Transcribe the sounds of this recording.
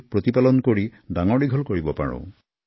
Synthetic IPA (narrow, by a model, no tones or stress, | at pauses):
pɹot̪ipalɔnkoɹidaŋɔɖiɡʱɔlkoɹibɔpa̰ɹɔ̰̃